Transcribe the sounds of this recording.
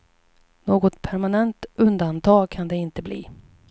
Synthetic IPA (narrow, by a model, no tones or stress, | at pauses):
noːɡɔt̪pʰæɾmanɛnt̪ɵnd̪ant̪ʰɑːɡkʰand̪ɛɪnt̪əblḭː